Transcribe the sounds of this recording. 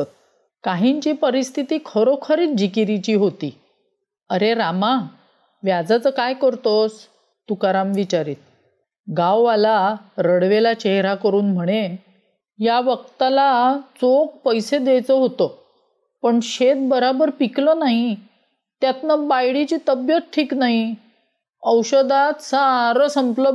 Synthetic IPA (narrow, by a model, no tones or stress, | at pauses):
t̪̚ | kaɦiɲt͡ɕiːpəɾist̪ʰit̪iːkʰəɾokʰəɾiːt̪̚d͡ʑikiɾit͡ɕiːɦot̪ḭː | əɾeɾama | ʋjad͡zat͡səːkajkəɾt̪os | t̪ukaɾamʋit͡ɕaɾḭːt̪̚ | ɡawːalaɾəɽʋelat͡ɕeɦɾakəɾuːnm̤əɽ̃e | jaʋək̚t̪alat͡sok̚pəjsed̪ejt͡səɦot̪ə | pəɳɕet̪̚bəɾabəɾpiklənaɦi | t̪jat̪nəbajɽit͡ɕiːt̪əbjət͡sʈʰiːknaɦi | əwɕəd̪at̪saɾəsəmplə